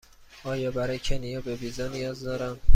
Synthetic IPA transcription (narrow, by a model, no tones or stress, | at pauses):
ʔɒːjɒːbæɾɒːjecʰenijɒːbe̞biːzɒːnijɒːzd̪ɒːɾæm